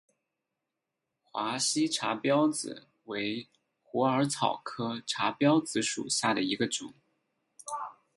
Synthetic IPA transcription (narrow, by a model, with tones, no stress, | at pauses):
xwa˧˥ɕi˥ʈ͡ʂʰa˧˥pjɑ˥ʊt͡sɹ̩̰˩ | we˧˥ɪ | xu˧˥ə˞˧˥t͡sʰɑ˨˩ʊkʰɤ˥ʈ͡ʂʰa˧˥pjɑ˥ʊt͡sɹ̩˧˥ʂṵ˨˩ɕja˥˩d̪ə˩i˧˥ɡə˧ʈ͡ʂʊ̰˨˩˦ŋ